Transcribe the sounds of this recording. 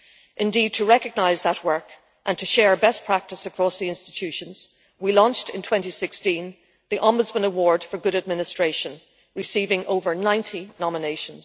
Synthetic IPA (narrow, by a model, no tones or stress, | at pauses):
ʔɪ̃ndid̚tʰəɹɛkəɡ̚naɪzðət̚wɜ˞k | ʔə̃ntʰəʃɛɹbɛspʰɹ̥ak̚tɨsəkʰɹ̥ɔsðiɪ̃nstɪ̥tʰʉʃə̃nz̥ | wilɔ̃nt͡ʃtɪ̃ntʰw̥ɛ̃ntisɪkstĩn | ðiʔɑ̃mbʊdzmə̃nəwɔɹd̥fə˞ɡʊɾəd̚mɪnɨstɹ̥eɪʃə̃n | ɹɨsiːvɪ̃ŋʔoʊvə˞nãɪ̃ntʰinɑmɪneɪʃə̃nz̥